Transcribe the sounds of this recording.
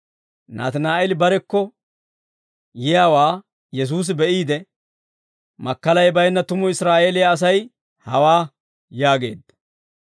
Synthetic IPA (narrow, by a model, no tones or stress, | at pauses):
na̰ːt̪naːʔɛlɪbɐɾɛkːɔ | jɪjaːwaː | jɛs̬uːs̬ɪbɛʔiːd̪ɛ | mɐkːɐlɐjbɐjnːɐt̪ʊmʊɪsɾaːʔeːlɪjaːs̬ɐj | hɐwaː | jaːɡe̞ːd̪ːɐ̥